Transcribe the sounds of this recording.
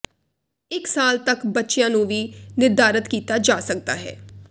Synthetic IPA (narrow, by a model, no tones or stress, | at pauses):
ɪksaːlt̪əkbətːʃɪjãːnũːʋiːnɪɾd̪aːɾət̪kiːt̪aːd͡ʒaːsək̚d̪a̰ːɦɛ̰ː